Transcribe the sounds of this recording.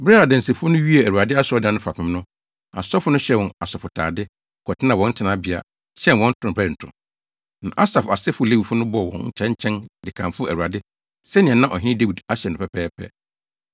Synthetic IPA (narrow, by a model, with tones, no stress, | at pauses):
bɾa˦ɾa˨dɛ̃˨n̩˨si˨fʊ˦nʊ̃˦ɥi˦ɛ˨æ˨ɾu˨a˨dɪ˦a˦sɔ˦dɪ˨ã˨nʊ̃˦fa˨pʰɪ̃˨m˦nʊ̃˦ | a̰˨sɔ˦fʊ˦nʊ̃˦ɕɛ˦˨wɔ̃˨na˨sɔ˨fʊ˨tʰa̰ː˨dɪ˦ | kʰɔ˨tʰɪ˦nã˨wɔ̃˨n̩˦tʰɪ˨nã˦bɪ˨a̰˨ | ɕɛ˦nwɔ̃˦n̩˦tʰʊ̃˨˦˨bæ˦ɾn̩˨tʰʊ̰̃˨ | nã̰˨ʔa˦sa˨fa˨sɛ˦fʊ˦˨le˦wi˨fʊ˦nʊ̃˦bɔ˦˨wɔ̰̃˨ɲ̩˦t͡ɕʰɛ̃˦ɲ˦t͡ɕʰɛ̃˦ndɪ˨kʰã˨mfʊ˦æ̰˨wu˨a˨dɪ˦ | sɛ˦nɪ̃˨ɛ̃˨nã˦ʔɔ˨ɦɪ̃˦nɪ̃˦de˦wi˨da˦ɕɛ˨n˨ʊ̃˨pʰɛ˦pʰɛː˦pʰɛ̰˦˨